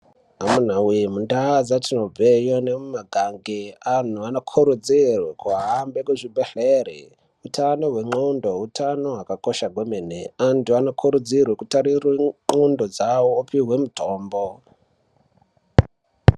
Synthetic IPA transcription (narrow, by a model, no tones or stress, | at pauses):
amun̤awimundazatinob͡vejonemumaɡʱaŋɡean̤uanokʰuɾud͡zirwekuɦambekwuʐibʱeɬerḭ | utʰanoɦwe̞ŋ͡ǃundoutʰano̞ɦwakako̞ʃaɡʱwemeneantuanokʰuɾud͡zirwekutaɾirweŋ͡ǃundod͡zawoːpiɦwe̞mutʰoːmbo